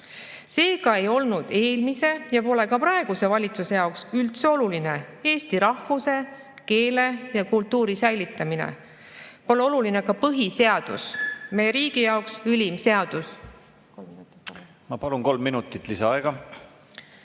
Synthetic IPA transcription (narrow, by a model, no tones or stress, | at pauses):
se̞ːkɑe̞jo̞lnud̪̥e̞ːlmise̞jɑpo̞le̞kɑpɾɑeɡ̥use̞vɑlʲit̪suse̞jɑoksylt̪seo̞luline̞e̞ːst̪iɾɑhvuse̞ | ke̞ːle̞jɑkult̪ːuːɾisæjlit̪ːˑɑminḛ | po̞le̞o̞luline̞kɑpɤɦise̞ɑd̪̥ṵsmejeɾiːɡ̥ijɑoksylʲimse̞ɑd̪̥us | mɑpɑlunko̞lmːinut̪ːˑit̪ːˑlisɑɑeɡ̥ɑ